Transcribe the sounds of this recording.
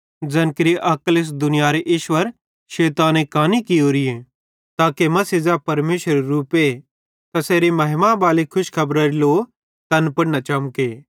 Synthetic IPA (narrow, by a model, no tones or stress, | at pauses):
d͡zɐnkɪɾiʔɐklɪs̬d̪ʊnɪjaːɾeʔɪːʃwəɾ | ʃeːt̪aːnekaːnikɪjoːɾije | t̪aːkemɐsizapɐɾmeːʃəɾeɾuːpe | t̪ɐseːɾimɐɦɪmãbaːlikʰʊʃkʰɐbɾaɾiloː | t̪ɐnpɐɽnat͡ʃɐmkeː